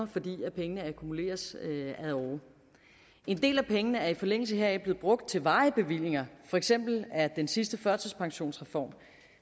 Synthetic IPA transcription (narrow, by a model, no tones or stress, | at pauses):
ɐfɒ̽d̥ḭːæpʰeŋənəækʰumule̝̰ːɐsæðˠɒː | e̝nd̥e̝̰ːlæpʰeŋənəæɐifɒ̽leŋ̰l̩s̬əɦeɐɛble̝ːð̩ˠb̥ʁɔ̽ɡ̥̚d̥̚t͡sʰe̝lʋɑ̈ːəb̥e̝ʋil̰je̝ŋɐfɒ̽eɡ̥sem̰b̥l̩æɐd̥ensisd̥əfɶɐsəspʰɑ̈ŋɕo̝̰ːnsʁɛfɒ̰ːm